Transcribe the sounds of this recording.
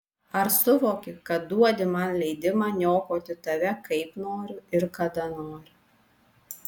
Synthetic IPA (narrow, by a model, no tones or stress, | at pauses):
ɐɾsʊʋoːkʲɪkɐt̪̚d̪uɔd̪ʲɪmɐnlʲɛɪd̪ʲɪmɑːnʲoːkoːt̪ʲɪt̪ɐʋʲɛkɐɪpnoːɾʲʊɪɾkɐd̪ɐnoːɾʲʊ